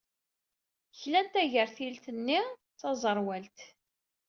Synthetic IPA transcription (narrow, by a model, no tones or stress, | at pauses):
çlænt̪æʝəɾθilt̪ənːit͡sːɑzˤəɾˤwælt̪